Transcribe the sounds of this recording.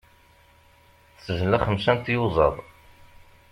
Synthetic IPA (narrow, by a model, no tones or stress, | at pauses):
θsəʒləχəmʃænt̪juzˤɑ̰ðˤ